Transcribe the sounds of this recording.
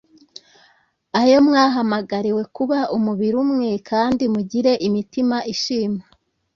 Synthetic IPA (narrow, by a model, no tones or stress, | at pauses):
ajo̞mŋaːɦamaɡaɾiwe̞kuβaʔumuβiɾumŋe̞kʰaːndimuɟiɾe̞ʔimitimaʔiʃiːma